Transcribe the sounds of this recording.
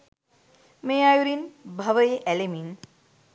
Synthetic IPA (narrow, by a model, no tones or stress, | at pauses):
mejajuɾinbʱɐʋəjeʔɛlemin